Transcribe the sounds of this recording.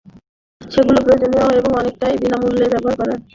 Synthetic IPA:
ʃeɡulopɾojod͡ʑoniwaeboŋɔnek̚ʈajbinamulːebɛboaɾkɔɾen

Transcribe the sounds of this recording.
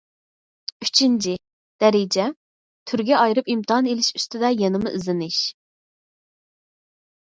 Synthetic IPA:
yt͡ʃʰint͡ʃʰi | d̪̥ɛɾɪd͡ʒɛ | t̪ʰyɾɡʲɛɑjɾɨpimt̪ʰɨɑnelɪʃy̥st̪ɪd̪ɛjɛnɨmuʔizɪnɪʃ

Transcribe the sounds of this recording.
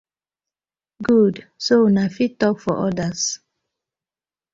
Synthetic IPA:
ɡudsonafitɔkfɔʔɔdas

